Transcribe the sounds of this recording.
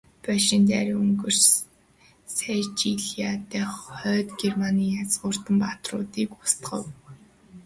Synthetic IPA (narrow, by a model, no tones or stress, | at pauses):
pæʃint̪æ̰ɾɵŋɡɵ̆rs | sæt͡ɕiɮiat̪æːχœːt̪ɡermaniːjat͡sɢʊːr̥t̪ə̆mpat̪rʊ̰ːt̪iːkʊst̪ɢə̰̆w